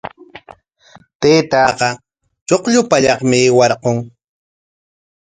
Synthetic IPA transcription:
t̪eːt̪ɑːqɑ | t͡ʃoqʎʊpaʎɑqmɪwɑɾqoŋ

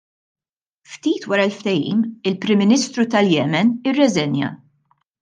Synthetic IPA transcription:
ft̪iːt̪wɐɾɐlft̪ɛjḭːmɪlpɾɪmːɪnist̪ɾut̪ɐljɛːmɛnɪrːɛzɛnjɐ̰

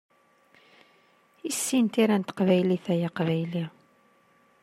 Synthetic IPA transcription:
isːint̪iɾænt̪ə̥qvæjliθæjaqvæjli

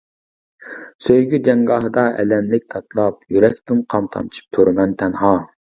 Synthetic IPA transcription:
søjɡʲyd̪ɛŋɡɑɦd̪ɑʔɛ̰lɛmlɪkʲt̪ʰɑt̪lˠɑp̚jyɾɛkʲt̪ɪmqʰɑmt̪ʰɑ̰mt͡ʃʰi̥p̚t̪ʰuɾmɛnt̪ʰɛnhɑː

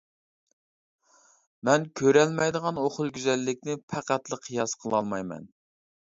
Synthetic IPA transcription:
mɛnkʲʰøɾɛlmɛjd̪əʁɑnoχʊlˠɡʲyzɛlːɪk̚ʲnɪpʰæqæt̪lˠəqʰːijɑsqʰəlˠɑlˠmɑjmɛ̰n

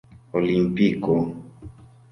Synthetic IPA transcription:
olimpiko

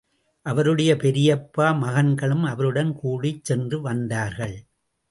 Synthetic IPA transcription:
ʔɐʋɐɾɯɽɐjɐpɛɾɪjɐpːaːmɐɣɐnɡɐɭɯmɐʋɐɾɯɽɐnkuːɽit͡ʃsɛndrɯʋɐnd̪aːɾɣɐɭ

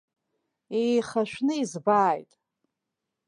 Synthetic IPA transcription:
ejχaʃʷᶣnɨizbaːjtʼ

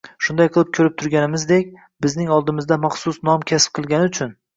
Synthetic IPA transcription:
ʃʊnd̪ajqʰɨlˠɪp̚kʲʰɵɾɪp̚t̪ʰʊɾɡʲanɪmɪzd̪ekʲ | bɪznɪŋɒlˠd̪ɪmɪzd̪amɑχsʊsnɒmkʲʰasp̚qʰɨlˠɡʲanɪʊt͡ʃʰʊn

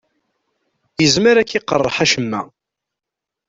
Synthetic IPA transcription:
jəzməɾækːiqərˤːəħæʃəmːæ

